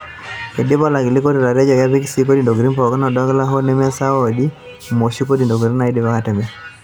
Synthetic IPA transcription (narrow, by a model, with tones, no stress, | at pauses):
e˨dɪ˦bɔ˦la˨ɡɪ˨li˦ko˦ɾi˨ɾa˨ɾɛ˦d͡ʒɔ˨ɡa˦bi˦ksi˦k̬o˦di˨ndo˨ɡɾi˦npɔ˨kɔ˦nɔ˨dɔ˦ɡla˦ɦo˦nɛ˦mɛ˦sa˦o˦˨di˦ | mo˨ʃi˦ko˦di˨ndo˨ɡɾi˦na˨i˦dɪ˦ba˦ka˦tɛ˨mɛ˦